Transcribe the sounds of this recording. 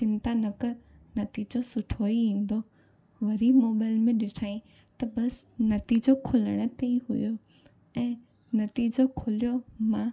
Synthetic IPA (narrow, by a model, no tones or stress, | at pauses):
sɪ̃nt̪anɐkənɐt̪iːd͡ʑosʊʈʰoːiʋĩːn̆d̪o | ʋɐɾimoːbaːɪlmẽɗɪʈʰaːĩ | t̪ɐbɐsnɐt̪iːd͡ʑokʰʊləɽ̃ə̆t̪eiɦʊ̰jo | ɛ̃ː | nɐt̪iːd͡ʑokʰʊlijomãː